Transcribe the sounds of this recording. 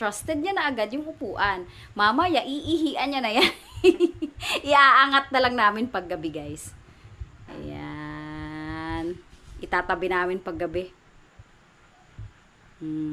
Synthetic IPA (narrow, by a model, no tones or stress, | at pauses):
t̪ɾast̪ɛd̪̚ɲanɐʔɐɡad̪̚jʊŋhʊpuːʔɐn | maːmajaʔɪʔiɦiʔɐnɲanɐjan | ʔɪʔaːʔaŋat̪̚nɐlaŋnaːmɪnpɐɡːɐbɪɡajs | ʔɐ̰ja̰ | nʔɪt̪aːt̪ɐbɪnaːmɪnpɐɡːɐbɛ